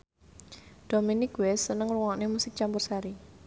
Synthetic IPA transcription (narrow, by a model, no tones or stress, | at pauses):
d̥ominɪkwɛsːənəŋruŋaʔnemusɪk̚t͡ʃampʊrsaɾi